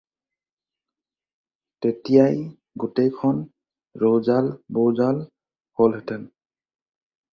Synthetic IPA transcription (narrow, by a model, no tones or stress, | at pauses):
tetijaj | ɡutejkʰɔn | ɹowzalbowzal | holɦɛtɛn